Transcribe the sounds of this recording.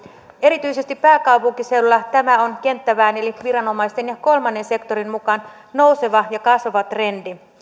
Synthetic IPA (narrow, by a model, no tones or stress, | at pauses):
e̞ɾit̪yjse̞st̪ipːæːkɑwpuŋkise̞ulːɑt̪æmæo̞nke̞nt̪ːæʋæːne̞liʋiɾɑno̞mɑist̪e̞njɑko̞lmɑnːe̞nse̞kt̪oɾinmukɑn | no̞wse̞ʋɑjɑkɑsʋɑʋɑt̪re̞ndi